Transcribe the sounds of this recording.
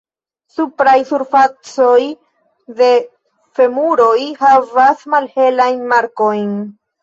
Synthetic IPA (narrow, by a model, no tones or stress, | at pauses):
supɾajsuɾfat͡so̞j | de̞ | fe̞muɾo̞jhavasmalhe̞lajnmaɾko̞jn